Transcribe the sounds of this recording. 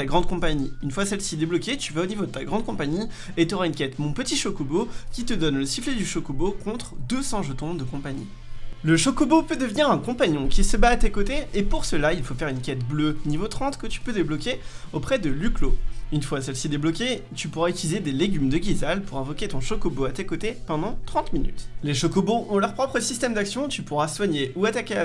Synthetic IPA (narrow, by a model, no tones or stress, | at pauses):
aɡʁɑ̃d̪̚kɔ̃paɲiynfwasɛlsid̪eblɔkʲet̪yvaonivod̪ət̪aɡʁɑ̃d̪̚kɔ̃paɲi | et̪ɔʁaynkʲɛt̪mɔ̃pət̪iʃɔkobokʲit̪əd̪ɔnləsifled̪yʃɔkobokɔ̃t̪χd̪əsɑ̃ʒət̪ɔ̃d̪əkɔ̃paɲḭ | ləʃɔkɔbopød̪əvniʁɛ̃kɔ̃paɲjɔ̃kʲisəbaːt̪ekot̪eːpuʁsəlailfofɛʁynkʲɛt̪blønivot̪χɑ̃t̪kət̪y̥pød̪eblɔkʲeopχɛd̪əlykloynfwasɛlsid̪eblɔkʲe | t̪ypuʁayt̪ylized̪eleɡʲymd̪əɡʲizalpuʁɛ̃vɔkʲet̪ɔ̃ʃɔkɔboat̪ekot̪epɑ̃d̪ɑ̃t̪χɑ̃t̪miny̰t̪leʃɔkɔboʔɔ̃lœʁpχɔpχəsist̪ɛmd̪aksjɔ̃t̪ypuʁaswaɲeuat̪akʲea